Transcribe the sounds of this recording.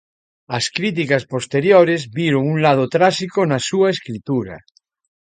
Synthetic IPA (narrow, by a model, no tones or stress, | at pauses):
askɾit̪̬ikaspost̪eɾjoɾezβiɾoŋuŋlað̞ot̪ɾaʃikonasuaeskɾit̪uɾa̰